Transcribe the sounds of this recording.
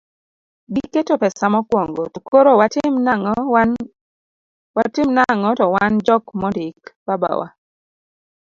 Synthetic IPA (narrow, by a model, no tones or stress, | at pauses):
ɡiketopɛsamɔkwɔŋɡotukoɾowama | watɪmnaŋɔtɔwand͡ʒɔkmɔdɪkbaba̰wa̰